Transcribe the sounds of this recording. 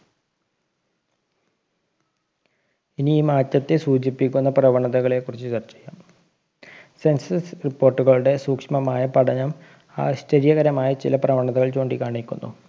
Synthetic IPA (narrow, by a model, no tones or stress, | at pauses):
iniiːmaːt̪jɐt̪ːe̞suːd͡ʑipːikʲːunːɐprɐʋɐɳɐðɐɣɐɭe̞kːurit͡ɕːut͡ɕɐrt͡ɕːejːaːm | se̞nsɐsripːoːrʈːuɣɐɭuɽe̞suːkʂmɐmaːjɐpɐʈʰɐɲɐm | a̰ːɕtɐɾjɐɣɐɾɐmaːjɐt͡ɕḭlɐprɐʋɐɳɐðɐɣɐɭt͡ɕo̞ːɳɖikaːɳikʲːṵnːṵ